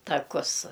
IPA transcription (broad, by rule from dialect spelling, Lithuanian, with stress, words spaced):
tɐˈkʊs